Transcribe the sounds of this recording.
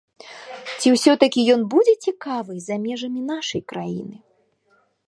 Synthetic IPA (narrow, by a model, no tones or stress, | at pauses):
t͡sʲiwsʲɔt̪ɐkʲijɔnbud͡zʲɛt͡sʲikavɨzamʲɛʐɐmʲin̪aʂɐjkɾajḭnɨ